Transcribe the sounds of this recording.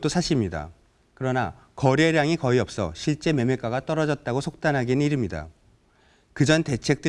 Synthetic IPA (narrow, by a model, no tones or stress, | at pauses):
t͈osʰaɕʰimɲida̰ | kɯɾʌna | kʌɾeɾjaŋikʌiʌp̚s͈ʌ̰ɕʰiɭt͡ɕ͈e̞me̞mek͈aɣat͈ʌɾʌd͡ʑʌt̚t͈aɡosʰok̚t͈anɦaɡinɯniɾimɲida̰ | kɯd͡ʑʌnte̞t͡ɕʰe̞k̚t͈ɯ